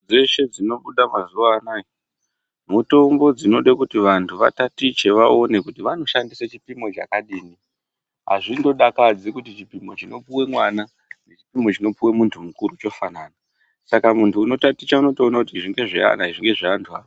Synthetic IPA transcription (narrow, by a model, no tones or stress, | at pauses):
d͡zeʃe̞d͡zino̞ɓuɗamazuʋaːnai | muto̞mbo̞d͡zino̞ɗakutiʋantʰuʋa̰tatit͡ʃe̞ʋao̞ne̞kutiʋano̞ʃandisat͡ʃipimo̞t͡ʃa̰kaɗiːni | ɦa̰ʐindo̞ɗakad͡zikutit͡ʃipimo̞t͡ʃino̞puwe̞mwana | ne̞t͡ʃi̥pimo̞t͡ʃino̞puwe̞muntʰumukuɾut͡ʃo̞fanaːna | sakamuntʰuːno̞tatit͡ʃauno̞to̞ːnakutiʐiŋɡe̞ʐia̰naiʐiŋɡe̞ʐiantʰua̰ːo